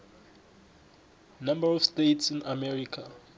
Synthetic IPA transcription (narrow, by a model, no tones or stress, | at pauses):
nãmbaɹɔfstetsĩnamɛɹikʰa